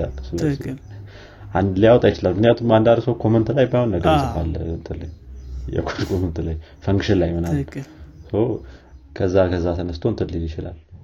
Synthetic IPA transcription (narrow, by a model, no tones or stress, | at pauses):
a̰lːəsɨləsi | ʔand̪ljawɔt̪ʼajɪt͡ʃɪlalmɨknjat̪ʰumband̪ad̪səwkʰo̞mənt̪lajbajhonːəɡəɾsɨfalːəɨnt̪ʰɨlə̰jjɛ̰kʰod͡ʒkʼonunt̪ʰɨləj | fəŋɡʃɪnlajmɨna | səwkʰəzːakʰəzːasʰənəst̪ʰoɨnt̪ʰɨlɨjjɪt͡ʃɪla̰l